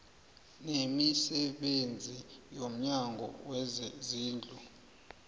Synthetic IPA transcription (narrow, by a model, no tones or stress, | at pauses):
nemisɛɓend͡zʱijom̩ɲaŋɡʱɔ̰wɛzziːnd͡ɮʱu